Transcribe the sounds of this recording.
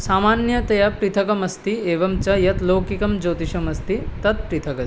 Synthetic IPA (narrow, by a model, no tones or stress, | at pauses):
saːmaːnjɐt̪ɐjapɾit̪ʰɐkɐmɐst̪ieːʋɐmt͡ʃɐjɐt̪loːkikɐmd͡ʒoːt̪iʃɐmɐst̪it̪ɐt̪̚pɾit̪ʰɐkɐs